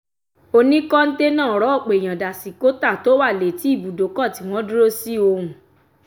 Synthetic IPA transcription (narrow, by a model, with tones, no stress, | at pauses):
o˧nĩ˦kɔ˦n̩˦de˦nãː˦˨ɾɔ˨˦˨k͡pe˨j̃ã˨da˨si˨ko˦ta˦˨to˨˦wa˦˨le˨ti˨˦i˦˨bu˨do˨˦kɔ˦˨ti˨˦w̃ɔ̃˦du˦ɾo˦si˦o˧ɾũ˨